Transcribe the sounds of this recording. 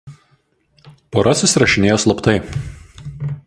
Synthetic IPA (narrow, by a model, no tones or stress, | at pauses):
poɾɐsʲɪsʲɾɐʃʲɪnʲeːjoːslˠɐpt̪ɐɪ